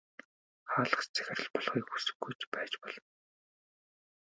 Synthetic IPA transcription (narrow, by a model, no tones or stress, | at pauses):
χaːɮə̆χt͡ɕt͡sʰæ̥xʲɪ̆rə̆ɮpɔɮχiːkxusɘ̥̆ɡːujt͡ɕpæːt͡ɕpɔɮɞ̆n